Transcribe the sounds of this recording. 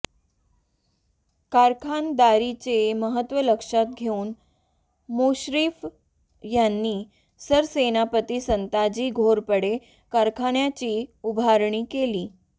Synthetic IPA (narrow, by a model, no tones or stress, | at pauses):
kaɾkʰand̪aɾit͡ɕeməɦət̪ʋələkʂat̪̚ɡʱeuːn | moɕɾiːf | janːiː | səɾsenapət̪iːsənt̪ad͡ʑiːɡʱoɾpəɽe | kaɾkʰaɳjat͡ɕiːubʱaɾɳiːkeliː